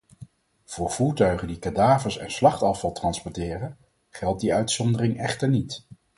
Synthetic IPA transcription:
v̥ʊːɹv̥uːɹtœɥχəndikadaːvəsɛ̰nslɑχtɑfɑlˠtrɑnspɔɹtɪːrən | χɛlˠt̚diœɥtsɔndərɪŋɛχtəɹnit

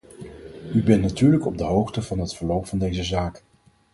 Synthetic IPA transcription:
ybɛntnatyːɹləkɔb̚dəɦowχtəvɑnɦətfəɹlowpfɑndejzəzaːk

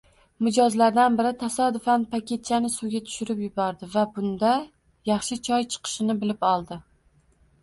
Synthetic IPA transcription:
mɪd͡ʒɒzlaɾd̪anbɪɾɪt̪ʰasɒd̪ʊfanpʰakʲʰe̞t̪̚t͡ʃʰanɪsʊɡʲat̪ʰʊ̥ʃɪɾɪpjʊbɒɾd̪ɪvabʊnd̪a | jɑχʃɪt͡ʃʰɒjt͡ʃʰɨ̥qʰɨ̥ʃɪnɪbɪlɪpɒlˠd̪ɪ

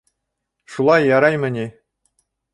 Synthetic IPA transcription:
ʂulˠɑjːɑɾɑjmʲɘ̆nʲe

